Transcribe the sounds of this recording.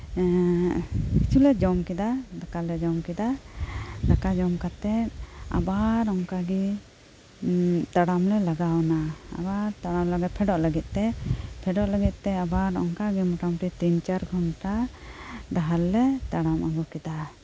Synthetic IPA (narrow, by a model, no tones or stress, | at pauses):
kit͡ʃʰulɛd͡ʒɔmkid̪ad̪akalɛd͡ʒɔmkid̪a | d̪akad͡ʒɔmkat̪ɛa̰baɾɔŋkaɡi | t̪aɽamlɛlaɡawnaa̰baɾt̪aɽamlaɡɛpʰɛɖɔʔləɡit̪̚ˀt̪ɛpʰɛɖɔʔləɡit̪̚ˀt̪ɛabaɾɔ̰ŋkaɡimɔʈamʈit̪int͡ʃaɾɡʱɔɳʈa | ɖaɦalːɛt̪aɽama̰ɡukid̪a